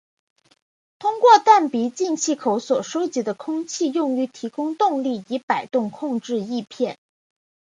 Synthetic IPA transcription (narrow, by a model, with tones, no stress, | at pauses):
t̪ʰʊ˥ŋkwɔ˥˧t̪a˥˩npi˧˥t͡ɕi˥˧nt͡ɕʰi˥˩kʰo˧˥ʊswɔ˨˩ʂo˥ʊt͡ɕi˧˥d̪ə˧kʰʊ˥ŋt͡ɕʰi˥˧jʊ˥˩ŋy˧˥t̪ʰi˧˥kʊ˥ŋt̪ʊ˥˧ŋli˥˩i˧˥pa˨˩ɪt̪ʊ˥˧ŋkʰʊ˥˧ŋʈ͡ʂɻ̩˥˧i˥˧pʰjɛ˥˩n